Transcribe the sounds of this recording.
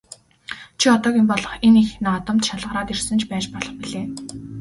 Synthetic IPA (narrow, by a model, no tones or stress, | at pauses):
t͡ɕʰiɔt̪ɔːɣʲĭmpɔɮɞ̆χenixnaːt̪ə̆mt̪ʃaɮʁə̆ɾaːt̪irsɘ̆nt͡ɕʰpæːt͡ɕpɔɮɞ̆χpiɮeː